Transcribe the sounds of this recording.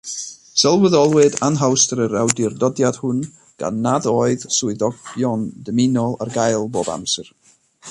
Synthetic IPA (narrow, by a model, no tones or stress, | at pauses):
sɛlˠwəðɔlˠwɨdanɦawstəɾəɾawdɪrdɔdjad̥hʊn | ɡ̥a̰nːaðoːɨðsʊɨðɔɡjɔndəmɪnɔlˠa̰rɡajlˠboːba̰msɨr